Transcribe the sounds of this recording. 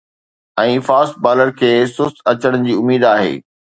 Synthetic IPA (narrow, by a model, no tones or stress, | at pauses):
ɛ̃ːfaːsʈ̪̚baːləɾkʰeːsʊst̪ʰɐt͡ɕəɽ̃ʊd͡ʑiːʊmiːd̪aːɦḛː